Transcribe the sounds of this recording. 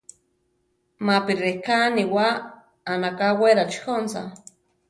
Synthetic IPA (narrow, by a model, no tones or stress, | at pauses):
mapirekaniwaː | nakaweɾat͡ʃxonsa̰